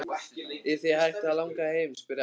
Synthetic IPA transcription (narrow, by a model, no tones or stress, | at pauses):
ɪθihajht̪aðlawŋkahejmspɪɾ